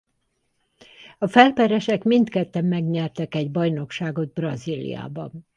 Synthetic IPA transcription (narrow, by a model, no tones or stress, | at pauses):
ɒfɛlpɛɾɛʃɛkmint̪kɛt̪ːɛmːɛɡɲɛrt̪ɛkɛɟbɒjno̞kʃaːɡo̞d̪̚brɒzilḭja̰ːbɒ